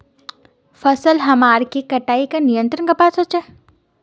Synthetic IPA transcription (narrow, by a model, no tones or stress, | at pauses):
fɐsəlɦɐmaːɾkikɐʈaːikanijə̃nt̪ɾənkapaːsɦoːt͡ʃa